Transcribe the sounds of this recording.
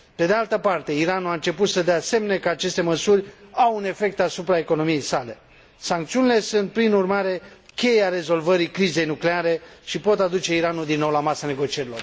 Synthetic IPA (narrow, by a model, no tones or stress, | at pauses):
pe̞d̪ealt̪əpart̪e̞iɾanuaɨnt͡ʃe̞put̪səd̪ease̞mene̞kəat͡ʃe̞st̪e̞məsurʲawune̞fe̞k̚t̪asupɾae̞ko̞no̞mije̞jsale̞ | saŋk̚t̪siunile̞sunt̪̚pɾinurmaɾe̞kʲe̞jeaɾe̞zo̞lvəɾikɾize̞jnukle̞aɾe̞ʃipo̞t̪ad̪ut͡ʃe̞iɾanud̪inːo̞wlamasane̞ɡo̞t͡ʃie̞ɾilo̞r